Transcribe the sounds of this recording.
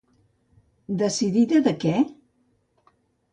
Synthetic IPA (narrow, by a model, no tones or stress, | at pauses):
d̪əsiðiðəðəkɛ